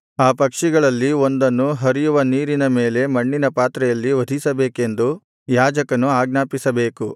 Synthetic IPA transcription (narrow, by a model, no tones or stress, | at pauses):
aːpɐkʂiɡɐɭɐlːio̞nd̪ɐnːuɦɐɾijuʋɐniːɾinɐme̞ːle̞mɐɳːinɐpaːt̪ɾɛjɐlːiʋɐd̪ʱisɐbe̞ːke̞nd̪u | jaːd͡ʒɐkɐnuaːɡ̚naːpisɐbe̞ːku